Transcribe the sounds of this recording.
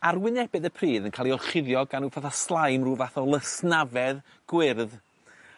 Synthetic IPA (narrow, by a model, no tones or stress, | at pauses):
arwɪnɛbɨðəpʰriːðənkʰaːlˠiɔrˠχɪðjɔɡanufaθaslˠajmruːvaθɔlˠəsnavɛð | ɡ̥wɪrð